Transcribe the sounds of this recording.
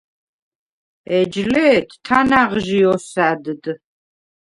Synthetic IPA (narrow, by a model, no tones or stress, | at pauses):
ɛd͡ʒlɛːt̪ʰt̪ʰanaʁʒiɔsad̪ɨd̪